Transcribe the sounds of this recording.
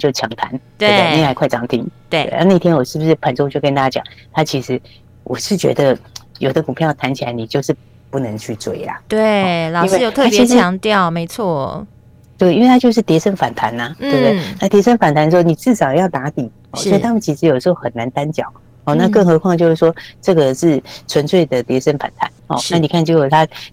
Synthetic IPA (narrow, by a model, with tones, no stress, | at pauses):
t͡ɕjo˥˩ʊt͡ɕʰjɑ˧˥ŋt̪ʰa̰˧˥˦nt̪e˥˧a˥˩ni˥a˧kʰwa˥˩ɪʈ͡ʂɑ˧˥ŋt̪ʰḭ˧˥ŋt̪e˥˩e˥˩a̰˧˥na˥˧i˥t̪ʰjɛ˥nwɔ˨˩ʂɻ̩˥˩bu˩ʂɻ̩˥˩pʰa˨˥nʈ͡ʂo˥t͡ɕjo˥˩ʊkə˧˥nt̪a˥a˥t͡ɕjɑ̰˨˩ŋt̪ʰa˥t͡ɕʰi˧˥ʂɻ̩˧˥ | wʔɔ̰˨˩ʂɻ̩˥˩t͡ɕɥɛ̰˧˥d̪ə˧˨jo˨˩ʊd̪ə˦ku˨˩pʰjjt̪ʰa˧˥nt͡ɕʰi˨la˧˦ɪni˨˩t͡ɕjo˥˧ʊʂɻ̩˥˧ | pu˥˩nə˧˦˥ŋt͡ɕʰy˥˩t͡swe˥˩ɪa̰˨˦t̪we˥˩li˥nwe˥˧ɪjo˨˩t̪ʰa˥˩pt͡ɕʰi˧˥ʂt͡ɕɻ̩˧˥ɑ˧˥ŋt̪jɑ˥˩ʊme˧˥ɪt͡sʰwɔ˥˩ | t̪we˥˩ɪi˥nwe˥˧t̪ʰa˥t͡ɕjo˥˧ʊʂ̬̩˥˩t̪jɛ˧˥ʂə˥˩nfa˨˩nt̪ʰa˧˥nɐ˧t̪we˥˧˩ɪwe˥˩ɪna˥˩t̪jɛ˧˥ʂə˥nfa˨˩nt̪ʰa˧˦n˥o˥˧ni˨˩t͡sɻ̩˥˩ʂɑ˨˩ʊjɑ˥˩ʊt̪a˧˥t̪i˨˩˦ | ɔ˥˧˨swɔ˥i˨t̪ʰa˥mə˨nt͡ɕʰi˧˥ʂɻ̩˧˥jdəʂɻ̩˧xo˥˩xə˨˩nːa˧˥nt̪a˦˥nt͡ɕjɑ̰˨˩˦ʊ | hɔ˥˧na˥˧kɤ˥˩ŋxɤ˧˥kʰwɑ˥˩ŋə˩t͡ɕjʊʂɻ̩˥˩ʂwɔ˥ʈ͡ʂɤ˥˩ɡə˩ʂɻ̩˥˩t͡sʰwə˧˥nt͡swe˥˩ɪd̪ə˩t̪jɛ˧˥ʂə˥nfa̰˨˩nt̪ʰa̰˧˦nhɔ̰˥˧na˥˩ni˨˩kʰa˥˩nt͡ɕo˥˩ʊjo˨˩t̪ʰa˥